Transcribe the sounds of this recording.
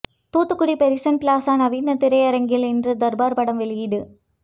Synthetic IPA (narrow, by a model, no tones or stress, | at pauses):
t̪uːt̪ːɯkːʊɽipɛɾɪsɐnpɪlaːsaːnɐʋiːnɐt̪ɪɾɐɪɐɾɐŋɡɪlɪndrɯd̪ɐɾbaːɾpɐɽɐmʋɛɭɪjɪðɯ